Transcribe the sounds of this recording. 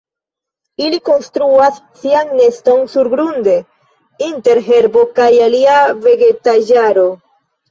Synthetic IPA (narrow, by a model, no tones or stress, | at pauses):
iliko̞nstɾuasːiaŋne̞sto̞nsuɾɡɾunde̞ | inte̞ɾɦe̞ɾbo̞kajaliave̞ɡe̞tad͡ʒaɾo̞